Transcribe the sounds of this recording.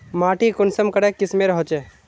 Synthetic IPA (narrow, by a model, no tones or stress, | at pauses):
maːʈikʊnsəmkɐɽekːɪsmẽɾɐɦot͡ʃe